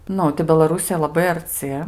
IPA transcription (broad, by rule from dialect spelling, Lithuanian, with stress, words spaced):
ˈnʊ tɐɪ bʲɛlˠɐˈrʊsʲɪjɛ lˠɐˈbɐɪ ɐrʲˈt͡sʲɪ